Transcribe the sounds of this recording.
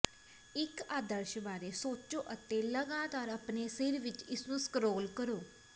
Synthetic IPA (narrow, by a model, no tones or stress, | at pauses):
ɪkaːd̪əɾʃbaːɾeːsoːt͡ʃoːʔət̪eːləɡaːt̪aːɾəpneːsɪɾʋɪt͡ʃɪsnũːskɾoːlkəɾoː